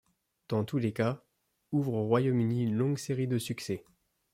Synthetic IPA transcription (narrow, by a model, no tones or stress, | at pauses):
d̪̥ɑ̃t̪uleka | uvʁoʁwajomyniynlɔ̃ɡseʁid̪əsyksɛ